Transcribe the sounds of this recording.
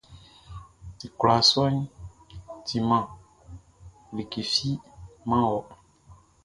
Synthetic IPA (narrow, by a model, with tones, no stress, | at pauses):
i˨kla˨sɔ˦ɲ˦ | tʰi˨mã˨ | li˨ke˨fi˦mã˦wɔ˨